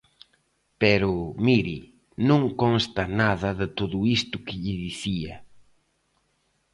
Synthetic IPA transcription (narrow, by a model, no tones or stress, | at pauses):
pɛɾʊmiɾi | nõŋkõnst̪ɐnaðɐðɪt̪oðʊist̪ʊkɪʎɪðiθiɐ